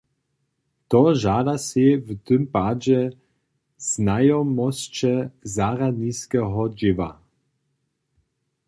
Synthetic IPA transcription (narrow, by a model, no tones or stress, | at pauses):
t̪ɔʒad̪asevt̪əmpaːd͡ʑɛ | z̥najɔmɔst͡ʃɛzaʁad̪niskɛɦɔd͡ʒɪva̰